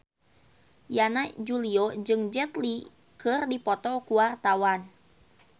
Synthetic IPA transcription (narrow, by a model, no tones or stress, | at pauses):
janad͡ʒuliod͡ʒɨŋd͡ʒɛt̪li | kɨrdipɔt̪ɔkuwart̪awan